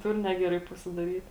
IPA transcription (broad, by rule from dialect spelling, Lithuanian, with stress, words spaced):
ˈtʊr ˈnʲæːɡʲɛˌrɐɪ pɐsʲɪdɐˈrʲiːt